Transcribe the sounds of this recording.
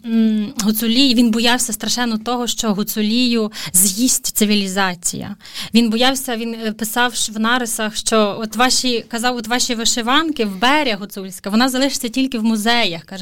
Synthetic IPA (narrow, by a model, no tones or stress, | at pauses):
ɦʊt̪sʊlʲijʋʲinbɔjɑwsʲɐst̪ɾɐʃɛnːɔt̪ɔɦɔʃt͡ʃɔɦʊt̪sʊlʲijʊzjisʲtʲt̪sɪʋʲilʲizɑt͡sʲḭjɐ̰ | ʋʲinbɔjɑwsʲɐʋʲinpɪsɑwʃwnɑɾesɐxʃt͡ʃɔɔt̪ʋɑʃʲikɐzɑwɔt̪ʋɑʃʲiʋɪʃɪʋɑnkɪwbɛɾʲɐɦʊt̪sulʲsʲkɐʋɔnɑzɐlˠɪʃɪ̥t͡sʲːɐtʲilʲkɪwmʊzɛjɐxkɑʒ